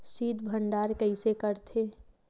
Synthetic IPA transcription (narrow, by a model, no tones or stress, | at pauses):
siːd̪bʱəɳɖaːɾkəɪsekəɾt̪ʰe